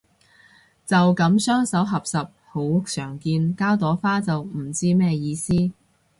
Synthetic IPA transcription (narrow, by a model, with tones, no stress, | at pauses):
t͡sɐ˨wkɐ˨˥msœː˥ŋsɐ˨˥wɦɐ˨p̚sɐ˨p̚ho˨˥wːʊ˨k̚sœː˨˩ŋkiː˧nkaː˥wt̪ɔː˨˥faː˥t͡sɐ˨wm̩˨˩t͡siː˥mɛː˥jiː˧siː˥